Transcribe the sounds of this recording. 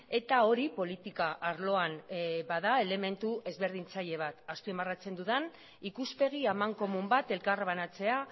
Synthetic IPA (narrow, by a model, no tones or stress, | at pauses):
e̞t̪ao̞ɾipo̞lit̪ikaʔaɾlo̞anbaðae̞le̞me̞nt̪uʔe̞zβe̞ɾð̞int͡saʎe̞β̞at̪aspiemarat͡se̞nd̪uðan | ikuspe̞ɣ̞iamaŋko̞mumbat̪e̞lkarβanat͡se̞a